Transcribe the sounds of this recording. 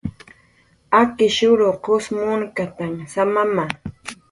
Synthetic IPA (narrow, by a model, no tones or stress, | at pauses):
akɪʃʊɾʊqosmʊŋkat̪aŋsamama